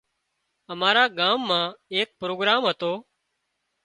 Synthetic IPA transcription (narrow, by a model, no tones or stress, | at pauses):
əmaːɾaːɠaːmːãːeːk̚pɾoːɡɾaːmɦət̪oː